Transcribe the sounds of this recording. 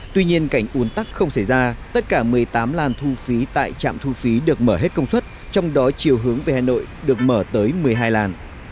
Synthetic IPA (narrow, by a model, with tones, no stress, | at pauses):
t̪wi˧ɲi˧ənka˧˩jŋ̟ʔu˨˦ənt̪a˦˥k̚xə˧wŋ͡msa˧˩jzaː˧t̪ə˦˥t̚kaː˧˩mɨ˨˩əjt̪aː˨˦mlaː˨˩nt̪ʰu˧fi˨˦t̪a̰ː˧˨jt͡ɕa̰ː˧˨mt̪ʰu˧fi˨˦ɗɨ˨˩ək̚məː˧˩ɦe˦˥t̚kə˧wŋ͡mswə˦˥t̚t͡ɕɔ˧wŋ͡mɗɔ˨˦t͡ɕi˨˩əwɦɨ˨˦əŋveː˨˦haː˨˩no̰˧˨jɗɨ˨˩ək̚məː˧˩t̪əː˨˦jmɨ˨˩əjɦaː˧jlaː˨˩n